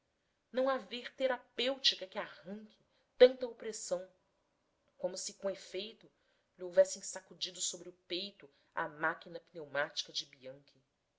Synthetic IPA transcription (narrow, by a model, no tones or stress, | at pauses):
nɐ̃w̃aveɾt̪eɾapewt͡ʃikɐkɪahɐ̃ŋkʰʲɪ | t̪ɐ̃nt̪ɐopɾesɐ̃w̃ | kõmʊsɪkõefejt̪ʊ | lɪowvɛsẽj̃sakud͡ʒid̪ʊsobɾɪʊpejt̪ʊ | a̰makinɐpinewmat͡ʃi̥kɐd͡ʒɪbiɐ̃ŋkʲʰɪ